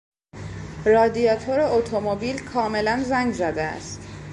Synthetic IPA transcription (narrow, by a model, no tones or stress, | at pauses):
rɒːd̪iɒːt̪ʰoɾeot̪ʰomobilkʰɒːme̞lænzæŋɡzæd̪eæ̰st̪